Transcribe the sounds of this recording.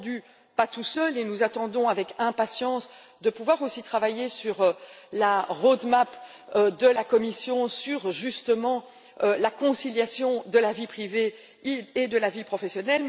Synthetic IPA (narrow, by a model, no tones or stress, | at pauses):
d̪y | pat̪usœlenuzat̪ɑ̃d̪ɔ̃avɛkɛ̃pasjɑ̃s | d̪əpuvwaʁosit̪χavajesyʁlaʁod̪map | ød̪əlakɔmisjɔ̃syʁʒyst̪əmɑ̃ | ølakɔ̃siljasjɔ̃d̪əlavipχiveː | d̪əlavipχɔfesjɔnɛl